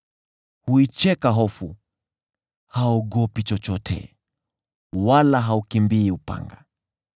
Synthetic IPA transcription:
huit͡ʃɛkaɦɔfu | haɔɠɔpit͡ʃɔt͡ʃɔtʰɛ̰ | walaɦaukimbiːupa̰ŋɡa̰

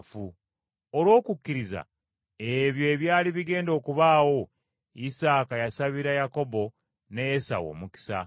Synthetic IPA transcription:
fu | olwo̞ːkukːiɾiza̰ | e̞βjo̞ːβjaːliβiɡe̞ːndo̞ːkuβaːwo̞ | isaːkajasaβiɾajako̞bo̞ | ne̞jesa̰wo̞̰ːmuki̥sa̰

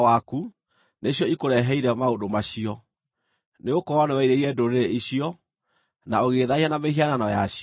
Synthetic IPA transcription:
waku | neɕjɔikoɾɛɦɛiɾɛmaodomaɕiɔ | neokɔwanɛwɛiɾeiɾiɛdoɾeɾeiɕiɔ | naoɣeðaihanameɦiananɔjaɕ

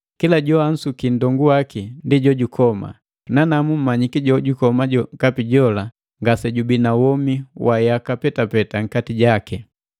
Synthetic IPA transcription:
kilaɟɔan̩sukindɔŋɡuwakindiɟɔɟukʰɔma̰ | nanamum̩maɲikiɟɔɟukɔmaɟɔkapiɟɔla | ŋɡasɛɟubinawɔmiwʔajakapɛtapɛtaŋ̩katiɟakɛ

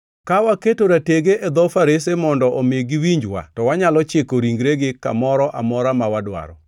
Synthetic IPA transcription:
kawaketoɾateɡeʔed̪ɔfaɾesemɔndɔʔomeɡɪwiɲd͡ʒwa̰tɔwaɲalɔt͡ʃekoɾiŋɡɾeɡɪka̰mɔɾɔʔamɔɾamawadwa̰ɾɔ̰

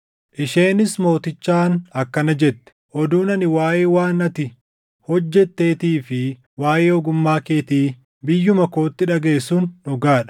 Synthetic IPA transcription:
ʔɪʃe̞ːnɪsmo̞ːt̪ɪt͡ʃːaːnɐkːɐnɐd͡ʒɛt̪ːɛ̥ʔɔd̪uːnɐnɪwaːjeːwaːnɐt̪ɪ | hɔd͡ʒːɛt̪ːe̞ːt̪iːfɪ | waːjeːɔɡʊmːaːke̞ːt̪iː | bɪjːʊmɐko̞ːt̪ːɪᶑɐɡe̞ːsuːnːɔɡaːᶑɐ̥

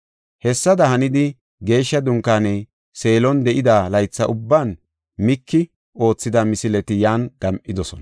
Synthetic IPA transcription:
hɛsːɐd̪ɐhɐnɪd̪ɪ | ɡe̞ːʃːɐd̪ʊŋkːaːneː | se̞ːlɔnd̪ɛʔɪd̪aːlɐjt͡sːɐʔʊbːaːn | mɪkːɪ | o̞ːt͡sːɪd̪ɐmɪsɪlɛt̪ɪjaːnɡ̥ɐmʔʔɪd̪ɔsɔ̰nɐ

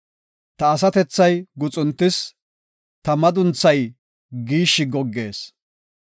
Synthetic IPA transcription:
t̪ɐːs̬ɐt̪ɛt͡sːɐjɡʊt͡sʼʊnt̪ːɪs | t̪ɐmɐd̪ʊnt͡sːɐj | ɡiːʃːɪɡɔɡːe̞̰ːs

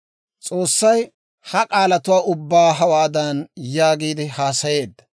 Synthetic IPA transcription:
t͡sʼo̞ːsːɐj | hɐkʼaːlɐt̪ʊwaːʔʊbːaːɦɐwaːd̪ɐnjaːɡiːd̪ɪhaːsɐje̞ːd̪ːɐ̥

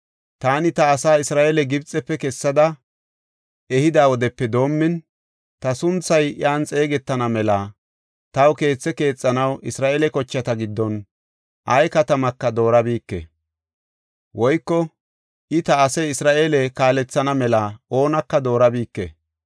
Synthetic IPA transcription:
t̪aːnɪt̪ɐːsaːɪsɾaːʔelɛɡɪbt͡sʼːɛpːɛkɛsːɐd̪ɐ | ɛhɪd̪aːwɔd̪ɛpːɛd̪o̞ːmːɪn | t̪ɐsʊnt͡sːɐjɪ̰aːnt͡sʼe̞ːɡɛt̪ːɐnɐmɛlɐ | t̪ɐwke̞ːt͡sːɛke̞ːt͡sʼːɐnɐwʔɪsɾaːʔeːlɛkɔt͡ʃːɐt̪ɐɡɪd̪ːɔn | ʔɐjkɐt̪ɐmɐkːɐd̪o̞ːɾɐbiːkːɛ̰ | wɔjkːɔ | ʔɪt̪ɐːsɐjɪsɾaːʔeːlɛkaːlɛt͡sːɐnɐmɛlɐo̞ːnɐkːɐd̪o̞ːɾɐbiːkːɛ̰

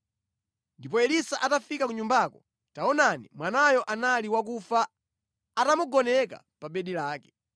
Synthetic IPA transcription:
ndipɔɛlisaʔatafikakuɲumbakɔ | taɔnanḭmwanajɔʔanaliwakufaː | tamuɡɔnɛka̰ | paɓɛɗilaːkɛ̥

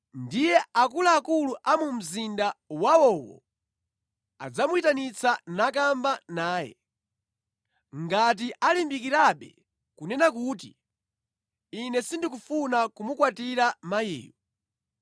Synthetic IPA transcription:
ndijɛakulaːkuluʔamum̩zindawawɔwɔ̰ | a̰d͡zamuitanit͡sʰanak̬ambanaːjɛ̰ | ŋɡat̬iʔalimbikiɾaɓɛ̰ | kunɛnak̬uːtḭ | inɛsindik̬ufunakumukwatiɾamajḭːjɔ

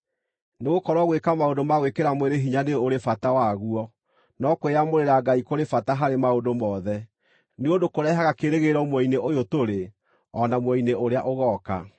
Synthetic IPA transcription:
neɣokɔɾwaɣwekamaodomaɣwekeɾamweɾeɦiɲaneooɾefatawaɣuɔ | nɔkweamoɾeɾaɡaikoɾefataɦaɾemaodomɔːðɛ | neondokoɾɛɦaɣakeɾeɣeɾɔmwɔineʔojotoɾe | ɔnamwɔineoɾeaʔoɣɔka̰

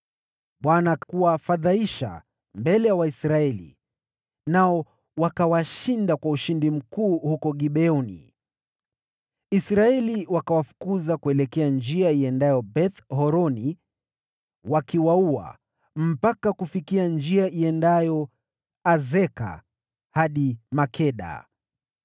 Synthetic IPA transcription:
ɓwanakuwafaðaiʃa̰ | mbɛlɛjawaisɾaɛlḭ | naɔ | wakawaʃindakwauʃindim̩kuːhukɔɠiɓɛɔnḭ | isɾaɛliwakawafu̥kuzakuɛlɛkɛand͡ʒiaiɛndajɔbɛθhɔɾɔni | wakiwaua̰ | m̩pakakufikiand͡ʒiaʔiɛndajɔ | azɛka̰ | haɗimakʰɛɗa̰

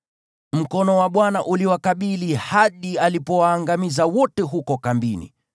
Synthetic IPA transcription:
m̩kɔnɔwaɓwanaʔuliwakaɓilihaɗialipɔwaːŋɡamizawɔtɛɦukɔkambinḭ

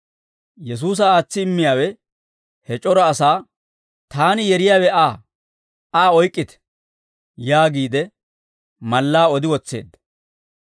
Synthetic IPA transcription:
jɛs̬uːs̬ɐaːt͡sːɪːmːɪjaːwɛ | hɛt͡ʃʼɔɾɐːsaː | t̪aːnɪjɛɾɪjaːwɛaː | aːɔjkʼːɪt̪ɛ̥ | jaːɡiːd̪ɛ | mɐlːaːɔd̪ɪwɔt͡sːe̞̰ːd̪ːɐ̥

